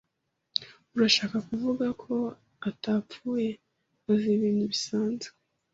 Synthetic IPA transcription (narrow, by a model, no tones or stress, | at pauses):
uɾaʃaːkakuvuɡakʰo̞ | ataːpfuːje̞ | aziβiːniβisaːnzu̥